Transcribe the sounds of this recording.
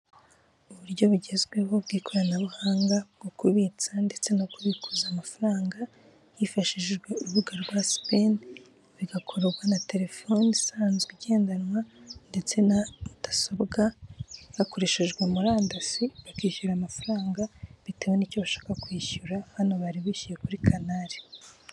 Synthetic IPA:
uβuɾɟo̞βuɟe̞zɡwe̞ho̞b̚ɡiːkʰo̞ɾanaβuhaːŋɡaɡ̥okuβit͡sande̞t͡se̞nokuβikʰuzaːmafaɾaːŋɡa | jifaʃiʒʒɡwe̞uɾuβuɡaɾɡwaspen | βiɡakʰo̞ɾɡwanate̞ɾe̞fonisaːnzɡiɟe̞ːndanwande̞t͡se̞nautḁsobɡaβako̞ɾe̞ʃeʒɡwemuɾaːndasiβakiːçuɾaːmafaɾaːŋɡaβitewenico̞βaʃḁːkakwiːçuɾahano̞βaɾiβiçuje̞kuɾikʰanaɾi

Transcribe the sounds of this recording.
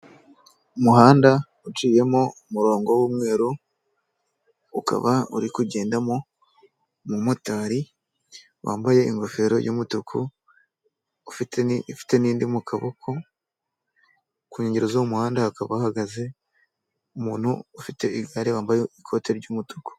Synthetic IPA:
umuhaːnda | ut͡ʃiːje̞mo̞umuɾo̞ːŋɡo̞wuːmŋe̞ːɾo | uka̰βaṵɾikuɟe̞ːndamo | mumotaːɾi | wa̰ːmbaje̞iŋɡo̞fe̞ɾo̞̰jʔṵːmutukʰu | ufitenfi̥te̞niːndimukʰaβokʰo̞ | kuːɲeɲɟeɾozoumuhaːndaakaβahaɡaze̞ | umuːn̥hṵːfite̞iɡaɾewaːmbajeikʰo̞ːte̞ɾɟuːmutu̥ku̥

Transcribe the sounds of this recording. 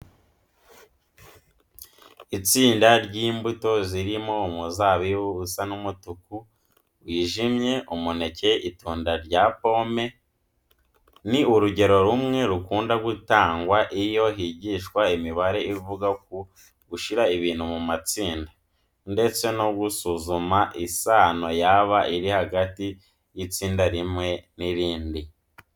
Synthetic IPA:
it͡siːndaɾɟiːmbuto̞ziɾimo̞umuzaːβiwuusanumutuku | wiːʒimɲe̞umune̞ce̞ʔituːndaɾɟapo̞me̞ | niuɾuɟe̞ɾo̞ɾumŋe̞ɾukuːndaɡutaːŋɡwaʔijo̞ɦiɟiːʃkwaemiβaɾe̞ivuɡak̚u | ɡuʃiɾaiβiːn̥humumat͡siːnda | nde̞t͡se̞no̞ɡɡusuzumaʔisaːno̞jaβaʔiɾihaɡati | jit͡siːndaɾimŋe̞niɾiːndi

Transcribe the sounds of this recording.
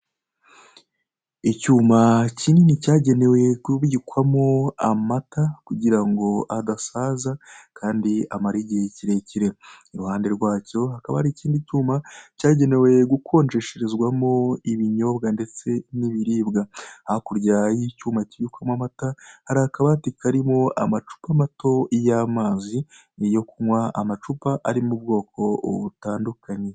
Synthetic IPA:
icuːmacininicaːɟe̞ne̞we̞kuβikwamoamatakuɟiɾaŋɡo̞ʔadasaːzakʰaːndia̰maɾiɟiheciɾe̞ciɾe̞iɾuhaːnde̞ɾɡwaːco̞hakaβa̰haɾiciːndicuːmacaːɟe̞ne̞we̞ɡukʰo̞ːnd͡ʒe̞ʃeɾezɡwamoiβiɲo̞bɡande̞t͡se̞niβiɾiːbɡahakuɾɟajicuːmaciβukwamwamatahaɾahakaβatikʰaɾimo̞a̰mat͡ʃu̥pamatʰo̞jamaːzi | jo̞kumwaa̰mat͡ʃupaʔaɾimubɡo̞ːko̞βutaːndukʰaɲe̞

